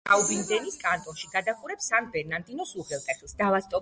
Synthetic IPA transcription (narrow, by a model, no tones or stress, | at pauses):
aubind̪ɛniskʼant̪ʼɔnʃiɡad̪aχʼuɾɛpsanbɛɾnand̪ʼinɔsuʁɛlˠt̪ʼɛχlisd̪avast̪ʼɔ